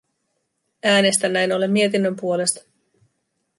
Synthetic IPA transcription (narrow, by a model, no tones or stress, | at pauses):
æːne̞st̪ænːæjno̞le̞mːie̞t̪̬inːømpuo̞le̞st̪ɑ̥